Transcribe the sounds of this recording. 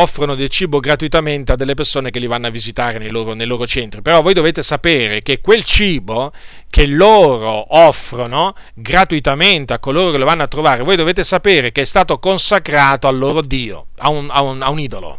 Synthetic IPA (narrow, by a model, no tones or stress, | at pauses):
ɔfɾonod̪elt͡ʃiːboɡɾat̪uit̪ament̪ead̪ːelːepersoːnekelivanːoavːizit̪aːɾenejloːɾonejloːɾot͡ʃɛnt̪ɾipeɾɔvːoːjd̪oveːt̪esapeːɾekekːwelt͡ʃiːbo | kʰelːoːɾoʔɔfɾono | ɡɾat̪uit̪ament̪eakːoloːɾokelovanːoat̪ːɾovaːɾevoːjd̪oveːt̪esapeːɾekeɛst̪aːt̪okonsakɾaːt̪oalːoːɾod̪iːo̰aunanauniːd̪olo̰